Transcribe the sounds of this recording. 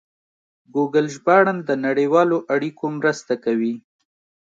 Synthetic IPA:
ɡuɡəlʒbɑɽand̪ənaɽewɑloʔaɽikʰomɾəst̪akawi

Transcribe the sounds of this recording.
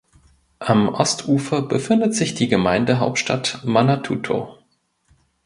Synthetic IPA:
ʔamʔɔstʰʔuːfɐbəfɪndətz̥ɪçd̥iːɡəmaɪndəɦaʊp̚tʃtatmanatʰuːtʰo̰

